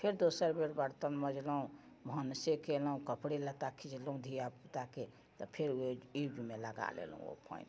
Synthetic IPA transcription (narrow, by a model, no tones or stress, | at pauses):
pʰeɾd̪osəɾbeɽbəɽt̪ənməd͡ʒləɦũ | bʱənsekeləũkəpɽelət̪akʰid͡ʒləũd̪ʱijaput̪ake | t̪ɔpʰeɾid͡ʒumeləɡa̰lḛlṵ̃o̰pʰə̰in